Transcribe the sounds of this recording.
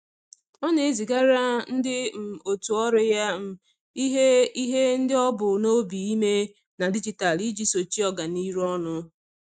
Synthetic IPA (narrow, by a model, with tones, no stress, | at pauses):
ɔ˦ne˨e˨zi˨ɡa˦ɾa˦n̩˦dɪ˦m̩˨o˨tu˨ɔ˦ɾɪ˦ja˦m̩˦ | i˦ɦe˦i˦ɦe˦n̩˦dɪ˦ɔ˦bʊ˨no˦bi˨i˦me˦ | na˨di˦d͡ʒi˨ta˨li˦d͡ʒi˦so˨t͡ʃi˦ɔ˦ɡa˨ni˦ɾɔ˦nʊ˦